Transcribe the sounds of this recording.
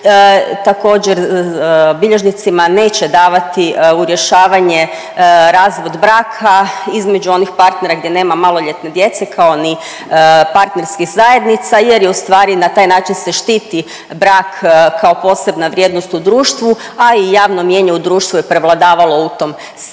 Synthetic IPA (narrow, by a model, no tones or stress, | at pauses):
t̪ako̞ːd͡ʑeɾ | biʎe̞ʒnit̪simane̞ːt͡ɕe̞d̪aːʋat̪iuɾjeʃaːʋaɲe | ɾaːzʋod̪bɾaːkʰaizme̞d͡ʑuo̞nixpaɾt̪ne̞ɾaɡd̪je̞ne̞ːmamalˠo̞ʎet̪ne̞d̪je̞t̪se̞kʰao̞ni | paɾt̪ne̞ɾskixzaje̞d̪nit̪saje̞ɾjeust̪ʋaːɾinat̪aːjnaːt͡ʃinse̞ʃt̪iːt̪i | bɾaːkkʰːao̞po̞ːse̞bnaʋɾʲje̞ːd̪nost̪ud̪ɾuːʃt̪ʋu | aijaːʋno̞mje̞ɲeud̪ɾuːʃt̪ʋujepɾe̞ʋlˠad̪aːʋalo̞ut̪o̞ːm | s